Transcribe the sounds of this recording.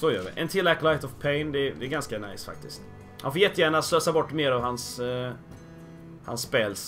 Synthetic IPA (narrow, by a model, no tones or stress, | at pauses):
sɔjœːʋɪ̰ʔɛ̰nt̪ʰɪlːæklaɪt̪ɔvpʰɛɪnd̪ɛd̪ɛɛɾɡanskana̰ɪsfa̰k̚t̪ɪst̪ | hanfoːɾjɛt̪ːəjæːɳasløːsabɔʈːmeːɾɑvɦans | ha̰nspeːls